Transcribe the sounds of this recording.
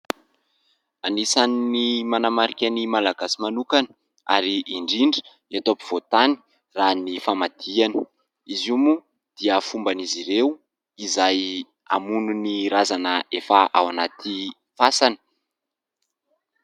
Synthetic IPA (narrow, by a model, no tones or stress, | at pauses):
anisannimanamaɾikʲanimalaɡasimanukanə | a̰ɾiʔiɳɖ͡ʐiɳɖ͡ʐə̥ | at̪opi̥v̥ot̪ani̥ | ranifamad̪̥ianə | iziumu | d̪̥iəfumbaniziɾew | izaj | a̰mununiɾazanəefaʔa̰wanat̪ʰi | fasani̥